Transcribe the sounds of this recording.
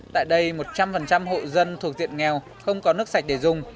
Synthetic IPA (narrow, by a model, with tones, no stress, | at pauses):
t̪a̰ː˧˨jɗə˧jmo˨˩t̚t͡ɕa˧mfə˨˩nt͡ɕa˧mɦo̰˧˨zə˧nt̪ʰu˨˩ək̚zḭ˧˨ənŋɛ˨˩w | xə˧wŋ͡mkɔ˨˦nɨ˦˥k̚sa˨˩k̟̚ɗe˧˩zʊ˨˩ŋ͡m